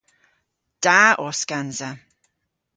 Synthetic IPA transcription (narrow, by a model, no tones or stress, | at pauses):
d̥aʔɔskanza